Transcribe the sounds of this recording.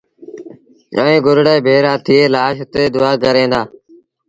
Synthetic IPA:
ə̰ːĩːɡʊɾɽeːbʱeːɾaːt̪ʰɪeːlaːʃʊt̪eːd̪ʊaːkəɾẽːnd̪aː

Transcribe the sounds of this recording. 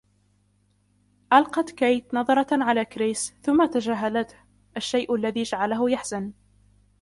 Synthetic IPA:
ʔalqɑt̪kajt̪nɑðˤɑɾˤɑʕalaːkɾeːsθʊmːat̪ad͡ʒaːɦalat̪h | ʔaʃːajʔlːaðiːd͡ʒaʕalaɦʊjaħz̥an

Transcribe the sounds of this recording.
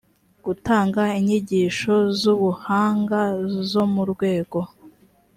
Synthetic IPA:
ɡ̥utaːŋɡaiɲiɟiʃo̞zuβuhaːŋɡazo̞muɾɡwe̞ːɡo̞

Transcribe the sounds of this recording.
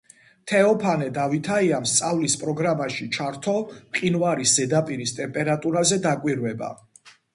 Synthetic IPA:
t̪ʰɛɔpʰanɛd̪avit̪ʰaiamst̪sʼavlispʼɾɔɡɾamaʃit͡ʃʰaɾt̪ʰɔqʼinvaɾisz̥ɛd̪apʼiɾist̪ʼɛmpʼɛɾat̪ʼuɾazɛd̪akʼwiɾvɛba̰

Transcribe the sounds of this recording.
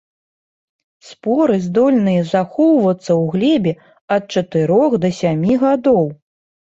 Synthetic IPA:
spɔɾɨzd̪ɔlʲnɨjɐzaxɔwvɐt̪sːɐwɣlʲɛbʲɛ | ɐt̪̚t͡ʂɐt̪ɨɾɔxd̪ɐsʲamʲiɣad̪ɔw

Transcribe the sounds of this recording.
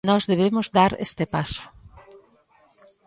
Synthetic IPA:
nɔzðeβemʊzðaɾḛst̪epasʊ̥

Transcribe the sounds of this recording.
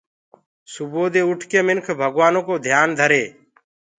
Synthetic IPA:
sʊboːd̪eːʊʈʰkeːmɪnkʰbʱəɡʋaːnõːkoːd̪ʱjaːnd̪ʱəɾeː

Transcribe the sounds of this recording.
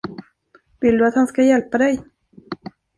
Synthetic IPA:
vɪld̪ɵat̪hanskajɛlpad̪ɛj

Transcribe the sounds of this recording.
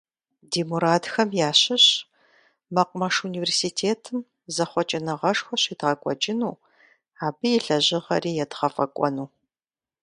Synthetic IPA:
deːmuɾaːdxɐmjaːɕɪɕ | mɐqʷmɐʂuniversitʰeːtʰɨm | zɐχʷɔt͡ʃʼɐnɐʁɐʂxʷɔɕiːdʁɐkʷʼɔ̰t͡ʃʼɪnuː | aːbɨjɪɬɐʑɪʁɐriːjɛdʁɐfɐkʷʼɔ̰nuː

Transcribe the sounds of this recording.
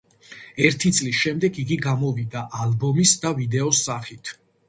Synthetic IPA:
ɛɾt̪ʰit̪sʼlisʃɛmd̪ɛɡiɡiɡamɔvid̪aʔalbɔmisd̪avid̪ɛɔsːaχit̪ʰ

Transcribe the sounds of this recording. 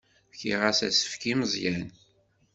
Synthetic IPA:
çiʁæsæsə̥fkiməzˤjæn

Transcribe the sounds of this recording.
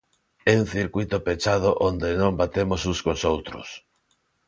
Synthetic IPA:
ɛuŋθiɾkujt̪opet͡ʃaðoʔond̪ɪnõmbat̪emʊsuskosowt̪ɾʊ̰s

